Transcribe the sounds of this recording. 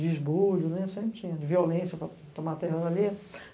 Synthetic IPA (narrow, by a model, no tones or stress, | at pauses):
d͡ʒɪzbulʊnɛsẽpɾɪt͡ʃĩɲɐd͡ʒɪviolẽsjɐpɾɐ | t̪õmat̪ɛɦɐali